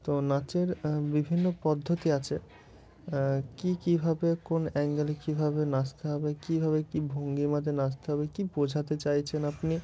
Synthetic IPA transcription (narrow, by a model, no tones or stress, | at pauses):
t̪onat͡ɕeɾbibʱinːopɔd̪ʱːot̪iat͡ɕʰe | kikibʱabekonɛŋɡelekibʱabenast̪eɦɔbekibʱabekibʱoŋɡimad̪ʱenast̪eɦɔbekibod͡ʑʱat̪et͡ɕajt͡ɕʰenapni